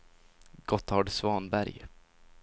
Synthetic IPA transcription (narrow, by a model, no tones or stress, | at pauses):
ɡ̥ɔt̪ʰɑɖsvɑːnbæɾj